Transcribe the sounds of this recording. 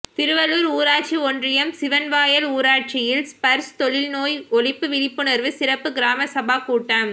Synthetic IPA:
t̪ɪɾɯʋɐluɾuːɾaːʈ̚t͡ʃiɔndrɪjɐmsɪʋɐnʋaːjɐluːɾaːʈ̚t͡ʃɪjɪlspɐɾst̪ɔɭɪlnoːjɔɭɪpːɯʋɪɭɪpːɯnɐɾʋɯsɪɾɐpːɯɡɪɾaːmɐsɐbaːkuːʈːaːm

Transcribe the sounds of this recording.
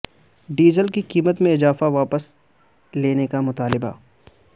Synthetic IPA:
ɖiːzəlkikiːmət̪mẽɪzaːfaʋaːpəs | leːnekamʊt̪aːlɪba̰

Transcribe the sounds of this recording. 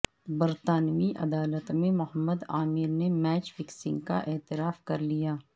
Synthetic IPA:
bɐɾt̪aːnmiʔɐ̰d̪aːlət̪mẽmʊɦəmːəd̪aːmɪɾnemɛːt͡ʃfɪksɪ̰̃ŋɡka̰ʔɛːt̪ɪɾaːfkɐɾlijaː

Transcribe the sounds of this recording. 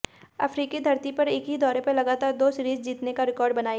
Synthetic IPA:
ɐ̰fʰɾiːkid̪ʱɐɾt̪ipɐɾɪkɦid̪ɔːɾepelɐɡaːt̪aːɾd̪oːsɾiːd͡ʒd͡ʒiːt̪nekaɾɪkɔːɾɖbɐnaːj

